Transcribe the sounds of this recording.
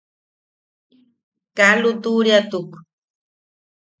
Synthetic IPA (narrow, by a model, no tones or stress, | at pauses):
kalut̪uɾjat̪ʊk